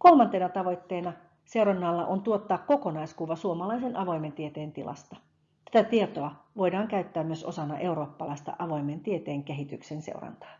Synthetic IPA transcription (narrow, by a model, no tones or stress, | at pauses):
ko̞lmɑnt̪ˑe̞nɑt̪ɑʋo̞jt̪ːeːnɑ | se̞uɾɑnːɑlːɑʔont̪uot̪ːɑːkko̞ko̞nɑjskuʋɑsuomɑlɑjsenʔɑʋo̞jment̪iet̪eːnt̪ilʔɑ̰st̪ɑ̥ | t̪æt̪æt̪iet̪o̞ɑʋo̞jdɑːŋkæyt̪ːæːmmyø̞so̞sɑnːɑʔe̞uɾo̞ːpːɑlɑjst̪ɑ̰ʔɑʋo̞jme̞nt̪iet̪eːŋkeɦit̪yksensḛurɑ̰nt̪ɑ̥ː